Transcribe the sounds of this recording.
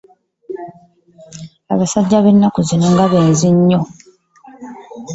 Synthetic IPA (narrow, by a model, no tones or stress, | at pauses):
aβasaɟːaβe̞nːakuzinoŋɡaβeːnziɲːo̞